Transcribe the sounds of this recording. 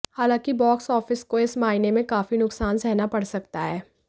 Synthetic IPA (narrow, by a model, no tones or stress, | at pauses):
haːlãːkibɔːksɔːfɪskoɪsmaːɪnemẽkaːfinʊksaːnsɛɦnapɐɽsɐk̚t̪aɦɛː